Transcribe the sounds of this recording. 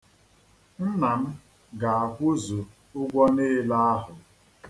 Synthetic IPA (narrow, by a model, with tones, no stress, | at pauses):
n̩˦na˨m̩˦ | ɡa˨a˨kʷʊ˦zo˨ | ʊ˦ɡʷɔ˦ne˦la˦a˦ɦʊ˨